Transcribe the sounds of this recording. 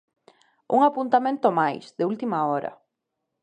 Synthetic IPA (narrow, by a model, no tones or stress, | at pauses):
ṵŋapunt̪amẽnt̪omajsðɪult̪imaɔɾɐ̰